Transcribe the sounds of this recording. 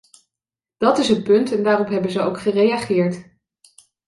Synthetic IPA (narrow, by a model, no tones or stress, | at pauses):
d̥ɑtɪsətpɵntɛndaːrɔpɦɛbənzəowkχərejaχɪːɹt